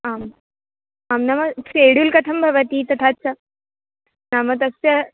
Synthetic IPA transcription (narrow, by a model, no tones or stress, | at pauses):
aːm | amnamɐseːɽulkɐt̪ʰɐmbʱɐʋɐt̪iːt̪ɐt̪ʰaːtːsʰa | naːmɐt̪̬ɐsjɐ